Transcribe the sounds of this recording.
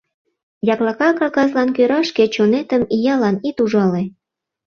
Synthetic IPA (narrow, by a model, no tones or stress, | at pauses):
jɑklɑkɑkɑkɑzlɑnkøɾɑʃket͡ɕonet̪əmijɑlɑnit̪uʒɑle